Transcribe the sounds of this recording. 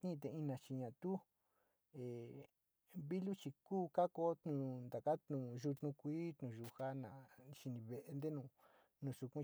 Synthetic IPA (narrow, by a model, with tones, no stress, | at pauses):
t̪nĩ˦˧t̪̬e˧i˧nã˧˨t͡ʃi˧ɲã˨t̪u˦ | e˨ | βi˦lu˦t͡ʃi˧kuː˦ka˦ko˦t̪nũ˧˨nd̪a˨ka˦t̪nũ˨ʒu˧t̪nũ˧kʷiː˦t̪nũ˨ʒu˧ha˦nã̰˨ʃi˧nĩ˧βe˧˨ʔe˧nd̪e˦nũ˧ | nũ˧˨su˧kũ˦